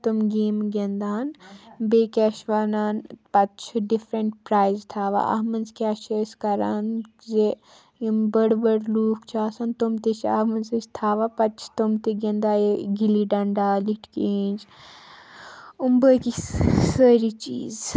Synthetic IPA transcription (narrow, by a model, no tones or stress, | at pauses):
t̪umɡeːmɡend̪aːnbeːkʲɛːʃʋaːnaːnpɐtt͡ʃʰɖifɾɐɳʈpɾaːjzt̪ʰaːʋa̰ʔɐ̰ɦmɐnzkʲaːʃeskɐɾa̰ːn | ze | imbɐɽbɐɽluːkʰt͡ʃʰaːsɐnt̪umt̪et͡ʃʰamɐnzɐt͡ʃʰt̪ʰaːʋaːpɐt͡ʃʰt̪umt̪eɡẽnd̪aːeɡiliɖɐɳɖaːliʈʰkeːnd͡ʒ | umbəːkisəɾit͡ʃḭːz